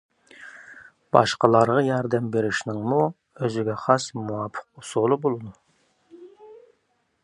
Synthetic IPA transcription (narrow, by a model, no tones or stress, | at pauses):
b̥ɑʃqɑlˠɑɾʁɑjɑɾd̪ɛmbeɾɪʃnɪŋmu | øzɪɡʲɛχɑsmuwɑpʰːə̥qusolˠɨbolˠɨd̪u